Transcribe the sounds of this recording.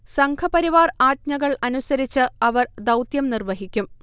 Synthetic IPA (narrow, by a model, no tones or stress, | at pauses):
sɐŋkʰɐpɐɾiʋaːraːt̪̚ɲɐɣɐɭɐnusɐɾit͡ɕːɨɐʋɐrd̪ɐwt̪jɐmnirʋɐɦikʲːum